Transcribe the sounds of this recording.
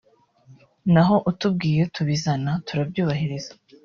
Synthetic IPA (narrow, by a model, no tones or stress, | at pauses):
naɦo̞ʔutub̚ɡiːje̞tʰuβizanatuɾabɟuːβaɦiɾizḁ